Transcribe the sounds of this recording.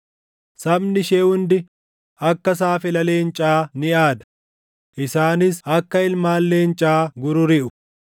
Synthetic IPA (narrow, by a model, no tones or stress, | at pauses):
sɐbnɪʃeːhʊnd̪ɪ | ɐkːɐs̬aːfɪlɐle̞ːnt͡ʃʼaːnɪʔaːd̪ɐ̥ | ʔɪsaːnɪsɐkːɐɪlmaːlːe̞ːnt͡ʃʼaːɡʊɾʊɾɪʔʊ